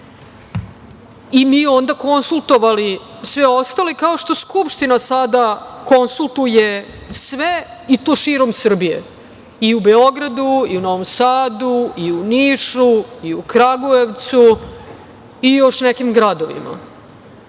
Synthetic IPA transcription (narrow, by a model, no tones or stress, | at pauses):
imiːo̞nd̪ako̞nsulˠt̪o̞ʋalisʋeo̞st̪alekao̞ʃt̪o̞skupʃt̪inasad̪ako̞nsulˠt̪uje | sʋeit̪o̞ːʃiːɾo̞msr̩bijḛ | iubeo̞ɡɾad̪uiuno̞ʋo̞msaːd̪uiuniːʃuiukɾaɡoeʋt̪su | ijo̞ʃnekimɡɾad̪o̞ʋḭma̰